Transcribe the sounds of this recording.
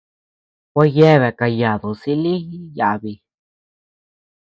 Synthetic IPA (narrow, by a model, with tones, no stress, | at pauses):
kʷa˧je˦βe˨ka˧ja˨ðu˨si˧li˦i˦ja˧ʔβi˧